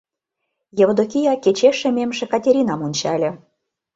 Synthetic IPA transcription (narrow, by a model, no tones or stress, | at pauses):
jeβŏd̪okʲijɑket͡ɕeʃĕmʲemʒĕkɑtʲeɾʲinɑmunʲt͡ɕɑlʲĕ